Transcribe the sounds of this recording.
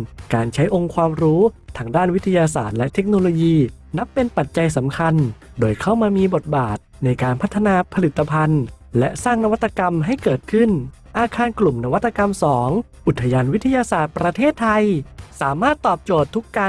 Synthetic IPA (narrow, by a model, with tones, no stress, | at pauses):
kaː˧nt͡ɕʰa˦˥jʔo˧ŋkʰwaː˧mɾuː˦˥t̪ʰaː˧ŋdaː˥˩nwi˦˥t̪ʰa˧jaː˧saː˨˩t̪̚lɛ˦˥ʔt̪ʰe˦˥k̚noː˧loː˧jiː˧ | na˦˥pːe˧npa˨˩t̪̚t͡ɕa˧jsa˩˦mkʰa˧n | doː˧jkʰa˥˩wmaː˧miː˧bo˨˩t̪̚baː˨˩t̪̚na˧jkaː˧npʰa˦˥t̪ʰːa˧naː˧pʰa˧li˨˩t̪ʰːa˧pʰa˧n | lɛ˦˥ʔsaː˥˩ŋna˧wa˦˥t̪ːa˧ka˧mɦa˥˩jkɤː˨˩t̪̚kʰɯ˥˩n | ʔaː˧kʰaː˧nklu˨˩mna˦˧wa˦˥t̪ːa˧ka˧msɔː˩˦ŋ | ʔu˨˩t̪ʰːa˧jaː˧nwi˦˥t̪ʰa˧jaː˧saː˨˩t̪̚pɾa˧t̪ʰeː˥˩t̪ʰːa˧jsaː˩˦maː˥˩t̪ːɔː˨˩p̚t͡ɕoː˨˩t̪ʰːu˦˥kːa˧